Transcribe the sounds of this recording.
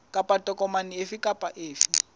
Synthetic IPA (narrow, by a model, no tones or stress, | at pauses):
kʼapʼatʼɔkʼɔmaniefikʼapʼaʔeːfi